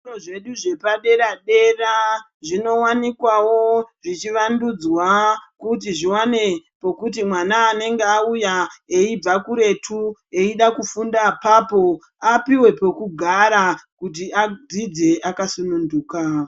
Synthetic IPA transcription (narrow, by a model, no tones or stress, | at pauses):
oʐe̞ɗuʐe̞paɗe̞ɾaɗe̞ra | ʐino̞wanikwawo̞ʐit͡ʃiʋandud͡zwakutiʐiwane̞po̞kut̬imwanaːne̞ŋɡeaujaeib͡vakuɾe̞tʰue̞iɗakufundapaːpo̞ | apiwe̞po̞kuɡʱaɾakut̬iad͡zid͡ze̞ʔakasununduːka